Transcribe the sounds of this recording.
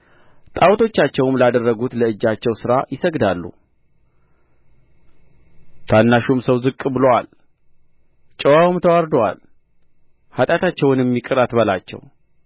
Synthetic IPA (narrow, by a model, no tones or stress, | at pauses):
t̪ʼawt̪ʰo̞t͡ʃːat͡ʃːɛwmlad̪ərːəɡut̪ləɨd͡ʒːat͡ʃːɛwsɨɾajɪsəɡd̪alːṵ | t̪ʰanːaʃumsəwzɨkʼːbɨlowa̰l | t͡ʃʼɛwawmt̪ʰəwaɾd̪owa̰l | hat̪ʼat̪ʰat͡ʃːɛwnjɛmːikʼɨɾat̪bəlat͡ʃːɛ̰w